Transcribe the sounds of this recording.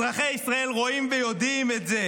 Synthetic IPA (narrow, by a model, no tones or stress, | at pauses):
ʁaχeisʁae̞lʁo̞imvejo̞d̪imetze